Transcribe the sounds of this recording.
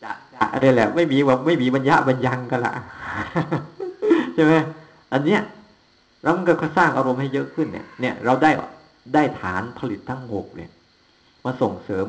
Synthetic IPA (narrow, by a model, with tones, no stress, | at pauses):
a˨˩t͡ɕa˨˩ʔɾaː˧jlɛː˨˩ma˥˩jmiː˧wa˧˩ma˥˩jmiː˧ba˧nja˦˥ʔba˧nja˧ŋka˧˥˩la̰˨˩ʔ | t͡ɕʰa˥˩ma˦˥j | ʔa˧nːi˦˥ɐ˨ | ɾa˧wma˧nkɯː˧˩kʰa˧saː˥˩ŋʔa˧ɾo˧mha˥˩jɤ˦˥ʔkʰɯ˥˩nːḭ˧˩ɐni˥˩ɐɾa˧wdaː˥˩jʔɔ̰˨˩k̚ | daː˥˩jt̪ʰaː˩˦npʰa˧li˨˩t̪ʰːa˥˩ŋhoː˨˩k̚lɤ̰˧˩ | maː˧so˨˩ŋsɤː˩˦m